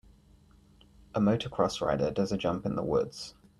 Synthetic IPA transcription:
ʔəməʊtʰəkʰɹ̥ɒsɹa̰ɪɾədʌzəd͡ʒʌ̃mpɪ̃nðə̰wʊ̰dz̥

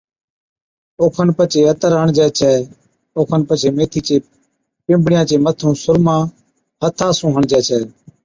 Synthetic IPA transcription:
oːkʰənpət͡ʃeːət̪əɾəɳd͡ʒɛːt͡ʃʰɛː | oːkʰənpət͡ʃʰeːmeːt̪ʰiːt͡ʃeː | pɪ̃mbʱɽɪjãːt͡ʃeːmət̪ʰũːsʊɾmãː | ɦət̪ʰãːsũːɦəɳd͡ʒɛːt͡ʃʰɛː

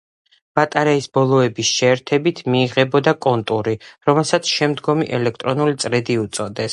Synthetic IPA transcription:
b̥at̪ʼaɾɛisb̥ɔlˠɔɛbisʃɛːɾt̪ʰɛbit̪ʰmiːʁɛbɔd̪akʼɔnt̪ʼuɾiɾɔmɛlˠsat̪sʰʃɛmd̪ɡɔmḭʔɛlɛk̚ʰt̪ʼɾɔnulit̪sʼɾɛd̪iut̪sʼɔd̪ɛs

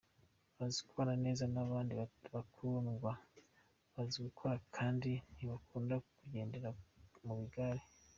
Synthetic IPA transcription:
βazikuβoɾane̞ːzanaβaːndiβakʰuːnɡwa | βaziɡukʰo̞ɾakʰaːndin̥iβakuːndakkuɟe̞ːnde̞ɾamuβiɡaɾe

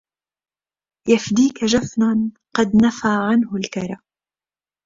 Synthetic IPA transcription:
jafd̪iːkad͡ʒafnan | qɑd̪nafaːʕanhʊlkɑɾˤɑ

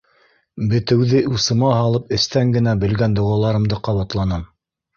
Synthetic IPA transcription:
bɘ̆t̪ɘ̆wðɘʔusɤ̆mɑɦɑlˠɤpɘ̆st̪æŋɡɘ̆næbɘ̆lɡænd̪ŏʁɑlˠɑɾɤ̆md̪ɤqɑβɑt̪lˠɑnɤm

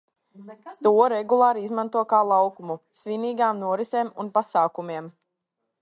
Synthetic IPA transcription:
t̪uɔɾɛɡulˠaːɾizmant̪uɔkaːlˠawkumusviniːɡaːmnuɔɾiseːmunpasaːkumiɛm

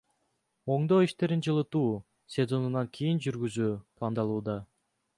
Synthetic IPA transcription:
o̞ɴd̪o̞ːiʃt̪e̞ɾind͡ʒɯlˠɯt̪uː | sʲe̞zo̞nunɑŋkʲʰijind͡ʒyɾɡyzyːplˠɑnd̪ɑlˠuːd̪ɑ

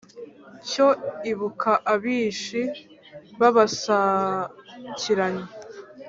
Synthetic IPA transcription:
coiβukʰaʔaβiːʃi | βaβasa | ciɾaɲe

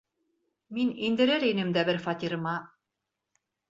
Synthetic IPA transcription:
minind̪ɘ̆ɾɘɾinɘmd̪æbɘɾfɑt̪ʲiɾɤmɑ

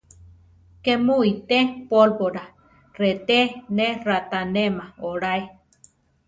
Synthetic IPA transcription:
kemuit̪epolpoɾa | ret̪enerat̪anemaoɾae

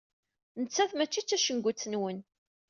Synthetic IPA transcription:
nət͡sːæθmæt͡ʃːit͡sːæʃənɡʷut͡sːənwən

